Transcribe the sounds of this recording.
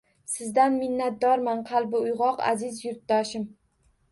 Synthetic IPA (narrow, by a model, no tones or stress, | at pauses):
sɪzd̪anmɪnːat̪̚d̪ɒɾmanqʰɑlˠbɪʊjʁɒqa̰zɪzjʊɾt̪̚ːaʃɪm